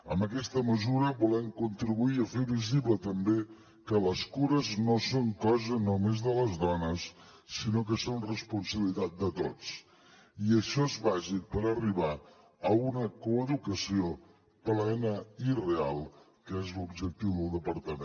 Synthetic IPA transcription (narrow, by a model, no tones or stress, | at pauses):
ə̰mbəkɛst̪əməzuɾəbulɛmkunt̪ɾiβuiəfeβiziβlət̪əmbe | kələskuɾəznosoŋkɔzənomezðələzðɔnəsː | inok̬əsonrəspunsəβilit̪at̪̚d̪ət̪ot͡s | iəʃɔezβaʒik̚pəɾəriβa | əunəkuəðukəsio | plɛnəirealˠ | kəezlubd͡ʒək̚t̪iwðəlˠd̪əpəɾt̪əme